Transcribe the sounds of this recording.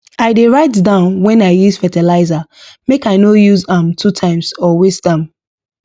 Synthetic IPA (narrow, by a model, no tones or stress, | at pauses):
aɪdeɹaɪtdãʊ̃nwɛ̃naɪjuzfɛtɛlaɪzamekaɪnojuzãmtʰutʰãɪ̃msɔwestdãm